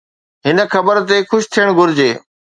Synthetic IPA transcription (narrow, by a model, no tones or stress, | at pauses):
ɦɪnə̆xɐbəɾt̪̬exʊʃt̪ʰijəɽ̃ɡʱʊɾɪd͡ʑeː